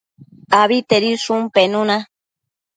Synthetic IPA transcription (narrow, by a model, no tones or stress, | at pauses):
aβit̪eɾisumpenũnã